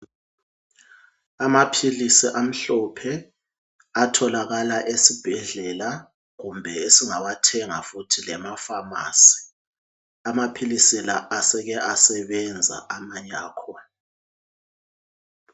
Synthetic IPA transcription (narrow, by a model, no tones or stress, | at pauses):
amapʰilisiʔam̩ɬɔpʰɛ | atʰɔlaɣalaʔesib̥ʱɛɮɛla | ɣumbʱɛesiŋaβatʰɛŋafutʰilɛmafama̰ːsi̥ | amapʰilisilaasɛɣɛʔasɛβɛnd͡zʱa̰ʔamaɲaːkʰɔ